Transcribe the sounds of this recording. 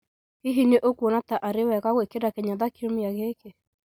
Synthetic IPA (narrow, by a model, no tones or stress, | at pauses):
kiɦineʔokwonataʔaɾewɛɣaɣwekedakɛɲaðakiɾomiaɣeke